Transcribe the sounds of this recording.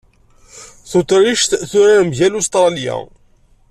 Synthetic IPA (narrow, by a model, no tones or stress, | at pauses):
θʊt̪ɾiʃt̪θʊɾamʝælust̪ɾˤɑlja̰